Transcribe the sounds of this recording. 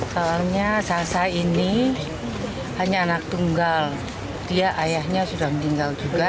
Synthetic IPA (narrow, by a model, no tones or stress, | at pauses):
saalɲasasaini | haɲaːnak̚t̪uŋɡal | t̪ijaʔajahɲasudahmənt̪iŋɡald͡ʒuɡa